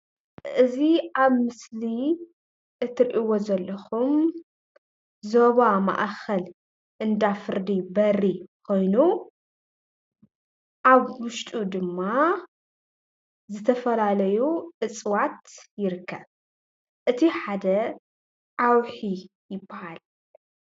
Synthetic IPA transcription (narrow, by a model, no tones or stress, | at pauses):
ʔɨziʔaβmɨsli | ʔɨt̪ʰːɨɾʔiwo̞zɐlːɐxum | zoβama̰ʔxɐl | ʔɨnd̪afɨɾd̪ibɐrːikʰo̞jnu | ʔaβwʊʃt̪ʼud̪ɨmːa | zɨt̪ʰɐfɐlalɐjuʔɨt͡sʼwat̪jɪɾɨkːɐβ | ʔɨt̪ʰiħad̪ɐ | ʕawħi | jɪbːahal